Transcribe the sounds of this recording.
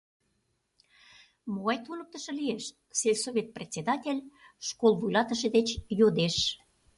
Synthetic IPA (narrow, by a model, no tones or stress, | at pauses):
moɑjt̪ulək̚t̪ə̆ʃɤ̆lieʃ | selʲsovʲet̪̚prʲet͡sʲed̪ɑtʲelʲʃkolˠvujlɑt̪ə̆ʃĕd̪et͡ɕjod̪eʃ